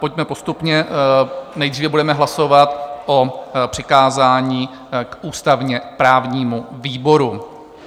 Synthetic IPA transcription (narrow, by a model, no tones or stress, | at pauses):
po̞cmɛpo̞st̪upɲɛ | nɛjd̪riːvɛbudɛmɛɦlaso̞vat̪ʔopr̝̥ɪkaːzaːɲiː | kʔuːst̪avɲɛpɾaːvɲiːmuviːbo̞ɾu